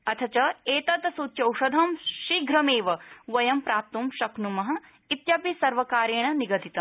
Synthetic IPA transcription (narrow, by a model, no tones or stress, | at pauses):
ɐt̪ʰɐt͡ʃɐeːt̪ɐt̪ɐsuːt̪t͡ʃɐwʂɐd̪ʱɐmʃiɡɾɐmeːʋɐʋɐjɐmpɾaːp̚t̪umʃɐknumɐɦɐ̆ | it̪jɐpisɐɾʋɐkaːɾjeːɳɐniɡɐt̪it̪ɐm